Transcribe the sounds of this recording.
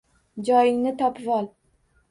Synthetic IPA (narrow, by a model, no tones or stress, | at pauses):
d͡ʒɒjɪŋnɪt̪ʰɒpʰvɒlˠ